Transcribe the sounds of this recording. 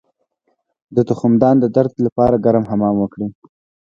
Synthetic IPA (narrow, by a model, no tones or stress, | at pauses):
d̪ət̪ʊxʊmd̪ɑnd̪əd̪aɾd̪lapɑɾaɡaɾamɦamɑmwəkɽi